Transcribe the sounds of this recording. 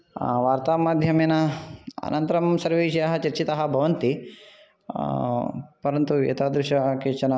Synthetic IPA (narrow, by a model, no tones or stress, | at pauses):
ʋaːɾt̪aːmaːd̪ʱjɐmeːnɐɐ̰nʔɐnt̪ɐɾɐmsɐɾʋiːʃɐjaɦɐt͡ʃɐɾt͡ʃit̪ɐɦɐ̆bʱɐʋɐnt̪i | pɐɾɐnt̪uḛːt̪aːd̪ɾuʃɐkeːt͡ʃɐnɐ